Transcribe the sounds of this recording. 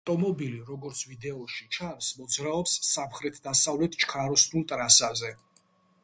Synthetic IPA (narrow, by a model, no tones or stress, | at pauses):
aft̪ʼɔmɔbiliɾɔɡɔɾt̪sʰvid̪ɛɔʃit͡ʃʰansmɔd̪zɾaɔpsːamχɾɛt̪ʰd̪asavlɛt̪ʰt͡ʃʰkʰaɾɔsnulˠt̪ʼɾasazɛ